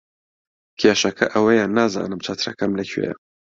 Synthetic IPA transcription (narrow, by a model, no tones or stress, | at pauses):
kʲʰeːʃɐkʰɐʔɐwɐjaːnːaːza̰ːnɨmt͡ʃʰat̪ɨɾɐ̰kʰɐmlɐkʰɥḛjɐ̰